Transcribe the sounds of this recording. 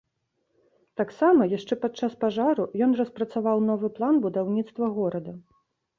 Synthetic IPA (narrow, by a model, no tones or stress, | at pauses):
t̪aksamɐjaʂt͡ʂɛpat͡ʂaspaʐaɾujɔnrɐspɾɐt̪savawnɔvɨplˠanbud̪awnʲit̪st̪vɐɣɔɾɐd̪ɐ